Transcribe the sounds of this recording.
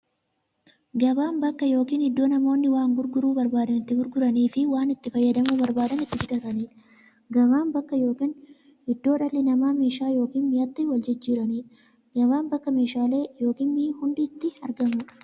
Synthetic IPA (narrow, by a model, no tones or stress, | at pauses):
ɡɐbaːmbɐkːɐjo̞ːkiːnɪd̪ːo̞ːnɐmo̞ːnːɪwaːŋɡʊɾɡʊɾuːbɐɾbaːd̪ɐnɪt̪ːɪɡʊɾɡʊɾɐniːfɪwaːnɪt̪ːɪfɐjːɐd̪ɐmuːbɐɾbaːd̪ɐnɪt̪ːɪfɪt̪ɐt̪ɐniːɾ | ɡɐβaːmbɐkːɐjo̞ːkiːn | hɪd̪ːoːᶑɐlːɪnɐmaːmeːʃaːjo̞ːkiːnmɪjɐt̪ːɪwɐld͡ʒɪd͡ʒːiːɾɐniːɾ | ɡɐβaːnbɐkːɐmeːʃaːle̞ːjo̞ːkiːnmiːhʊnᶑiːt̪ːɪɐɾɡɐmʊ